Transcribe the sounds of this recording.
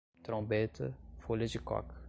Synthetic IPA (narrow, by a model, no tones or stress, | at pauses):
t̪ɾõbet̪ɐ̰folɐd͡ʒɪkɔ̰k